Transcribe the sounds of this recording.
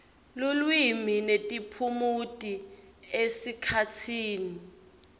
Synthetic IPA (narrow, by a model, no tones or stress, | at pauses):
lulwiminetʼipʰumutʼi | esikʰatʰiːni